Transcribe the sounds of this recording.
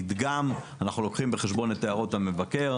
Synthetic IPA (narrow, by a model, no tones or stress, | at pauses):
d̪ɡamanaχnulo̞kχimbeχeʃbo̞net̪ːeaʁo̞tame̞vake̞ʁ